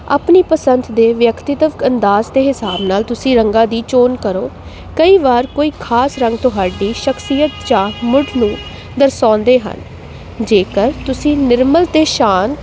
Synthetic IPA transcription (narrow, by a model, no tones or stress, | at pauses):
a̰ːpniːpəsənt̪d̪eːʋjəkt̪ɪt̪əʋənd̪aːzt̪eːɦɪsaːbnaːlt̪ʊsĩːɾəŋɡãːd̪iːt͡ʃoːnkəɾoː | kəiːʋaːɾkoːiːkʰaːsɾə̃ŋɡt̪ʊɦaːɖiːʃəksijət̪t͡ʃãːmʊɖnũː | d̪əɾsãːnd̪eːɦə̰n | d͡ʒeːkəɾt̪ʊsĩːnɪɾməlt̪eːʃaːn